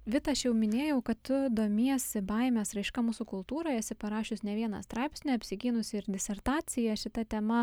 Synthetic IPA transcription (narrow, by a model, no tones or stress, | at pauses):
ʋʲɪt̪ɐɐʃjɛʊmʲɪnʲeːjɛʊkɐtt̪ʊd̪oːmʲiɛsʲɪbɐɪmʲɛsɾɐɪʃkɐmuːsukʊlˠt̪uːɾoːjɛsʲɪpɐɾɑːʃʲɪsnʲɛʋʲiɛnɑ̰st̪ɾɑɪpʲsʲnʲiɐpʲsʲɪɡʲiːnʊsʲɪɪɾd̪ʲɪsʲɛɾt̪ɑːsʲɪjɛʃʲɪt̪ɐt̪ʲɛmɐ